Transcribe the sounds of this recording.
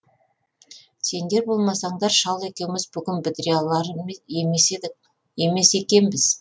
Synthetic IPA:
se̞nd̪e̞ɾbo̞lˠmɑsɑɴd̪ɑɾʃɑlˠe̞kʲe̞wɪmɪzbʏɡʲɪnbɪd̪ɾijalˠɑɾeed̪ɪ | e̞me̞se̞kʲe̞nbɪz̥

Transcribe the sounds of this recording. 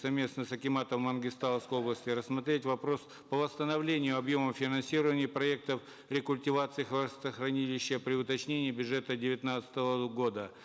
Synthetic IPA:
sɐvmʲe̞snəsɐkʲɪmat̪əmːənɡʲɪst̪alˠəfskəjo̞blˠəsʲtʲɪɾəsːmɐt̪ɾʲetʲvɐpɾo̞s | pəvəst̪ənɐvlʲenʲɪjʊɐbjoməmfʲɪnɐnsʲiɾəvənʲɪjəpɾɐɛk̚t̪əf | ɾʲɪkʊlʲtʲɪvat̪sɨɪxvəst̪əxɾɐnʲilʲɪɕːəpɾʲɪʊt̪ɐt͡ɕnʲenʲɪːbʲʊʐɛt̪ədʲɪvʲɪt̪nat̪sɨ̥t̪əvəɡo̞d̪ə

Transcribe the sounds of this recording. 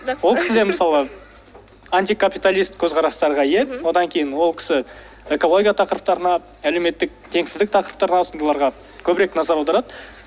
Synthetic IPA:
wo̞lˠkʰʲɪ̥sɪd̪emɪsɑlˠə | anʲt̪ijkʰapijt̪alʲijst̪kʲʰɵzqʰɑɾɑst̪ɑɾʁɑje̞wo̞d̪ɑŋkʲʰe̞jɪnwo̞lˠkʲʰɪ̥sɪ | e̞ko̞lo̞ɡʲijat̪ʰɑqəɾəp̚t̪ɑɾənɑ | æle̞wme̞t̪ːɪk̚t̪ʰe̞ŋsɪzd̪ɪk̚t̪ʰɑqəɾəp̚t̪ɑɾənɑosnd̪əlˠɑɾʁɑ | kʲʰɵbɪɾe̞knɑzɑɾɑld̪ɑɾɑd̪ə

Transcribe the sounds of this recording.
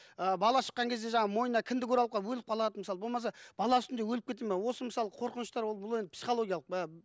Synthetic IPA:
əbɑlˠɑʃə̥qːɑŋkʲe̞zd̪e̞ʒɑɴɑmo̞jənɑkʲʰɪnd̪ɪkʲʰɵɾɑlˠəpqɑwɵlɪp̚qʰɑlˠɑd̪əməsɑlˠəbo̞lˠmɑs̬ɑb̥ɑlˠɑʏst̪ɪnd̪e̞wɵlɪp̚kʲe̞t̪emewo̞səməsɑlˠəqʰo̞ɾqənəʃt̪ɑɾwo̞lˠbʊlˠe̞nd̪ɪpsi̥χo̞lˠo̞ɡʲijɑlˠəqə

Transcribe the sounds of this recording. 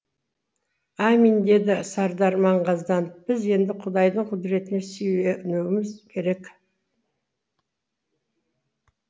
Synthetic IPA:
ɑmind̪e̞d̪ɪsɑɾd̪ɑɾmɑɴʁɑzd̪ɑnəp̚b̥ɪze̞nd̪ɪqʰʊd̪ɑjd̪əɴqʰʊd̪ɾe̞t̪ɪnesejwenewɪmɪzkʲʰe̞ɾe̞k

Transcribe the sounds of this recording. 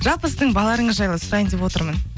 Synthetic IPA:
ʒɑlˠpəsɪzd̪ɴbɑlˠɑɾəɴəzʒɑjlˠəsʊɾɑjənd̪epwo̞t̪əɾmən

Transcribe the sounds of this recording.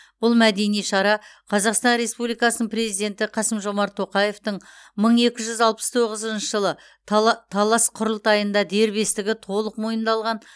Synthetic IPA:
b̥ʊlˠmæd̪e̞nijʃɑɾɑqʰɑzɑqst̪ɑnɾe̞spublijkɑsənəɴpre̞zijd̪e̞nt̪ɪqʰɑsəmʒo̞mɑɾt̪ʰːo̞qɑje̞ft̪əɴ | məɴe̞kʲɪʒʏzɑlˠpə̥st̪ʰo̞ʁəzənʃəʒəlˠə | t̪ʰɑlˠɑsqʰʊɾəlˠt̪ɑjənd̪ɑd̪e̞ɾbe̞st̪ɪɡʲɪt̪ʰo̞lˠəqmo̞jənd̪ɑlˠʁɑn

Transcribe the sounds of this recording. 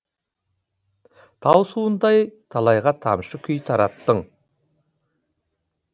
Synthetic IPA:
t̪ʰɑwsuənd̪ɑjt̪ʰɑlˠɑjʁɑt̪ʰɑ̰mʃəkʲʰʏjt̪ʰɑɾɑt̪ːəɴ

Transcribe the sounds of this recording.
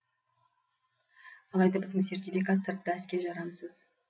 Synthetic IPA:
ɑlˠɑjd̪ɑbɪzd̪ɪŋse̞rt̪ifijkat̪səɾt̪ːəæskʲe̞ɾʒɑɾɑməsəz̥

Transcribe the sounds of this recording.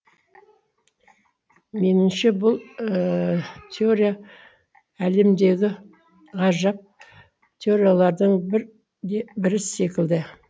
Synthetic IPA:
me̞nɪmʃe̞bʊlˠ | t̪ʲʰeo̞ɾija | æle̞md̪e̞wɡʲɪ | ʁɑʒɑp̚ | t̪ʲʰe̞o̞ɾijalˠɑɾd̪əɴɾ | ebɪɾɪse̞kʲɪld̪ɪ

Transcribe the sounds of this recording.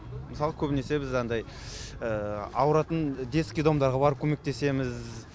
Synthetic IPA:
məsɑlˠəkʲʰɵbɪne̞se̞bɪzɑnd̪ɑj | əɑ̰wəɾɑt̪ənd̪e̞skʲid̪omd̪ɑɾʁɑbɑɾəp̚kʲʰɵme̞k̚t̪e̞se̞mɪz

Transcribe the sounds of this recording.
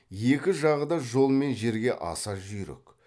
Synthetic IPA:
je̞kʲɪʒɑʁəd̪ɑʒo̞lˠme̞nʒe̞ɾɡʲe̞ʔɑ̰sɑʒʏjɾɪ̰k

